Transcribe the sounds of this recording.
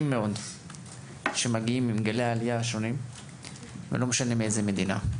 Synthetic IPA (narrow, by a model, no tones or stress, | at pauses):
mːe̞o̞d | ʃemaɡiimːimɡaleaːlijaːʃo̞nim | vḛlo̞meʃanemiejzeme̞d̪ina̰